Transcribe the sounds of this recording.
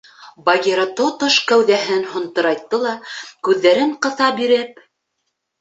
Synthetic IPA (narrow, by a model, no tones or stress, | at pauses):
bɑɡʲeɾɑt̪ot̪oʃkæwðæɦɘnhŏnt̪ɤ̆ɾɑjt̪ːɤlˠɑkʉðːæɾɘɴqɤ̆θɑbiɾɘp̚